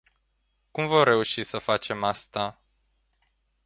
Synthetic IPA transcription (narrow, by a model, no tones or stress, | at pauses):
kumvo̞mre̞uʃisəfat͡ʃe̞mast̪a